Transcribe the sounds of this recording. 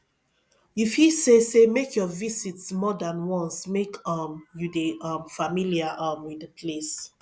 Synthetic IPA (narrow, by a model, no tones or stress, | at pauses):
ifisesemekʰjɔvisitsmɔdãnwɔ̃nsmekʌmjudeʌmfamiliaʔamwidəpʰles